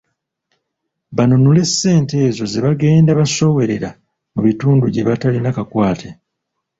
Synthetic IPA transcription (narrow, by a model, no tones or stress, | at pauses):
βanunule̞sːe̞ːnte̞ːzo̞ze̞βaɡe̞ːndaβaso̞we̞ɾe̞ɾa | muβituːnduɟe̞βatalinakakwaːtʰe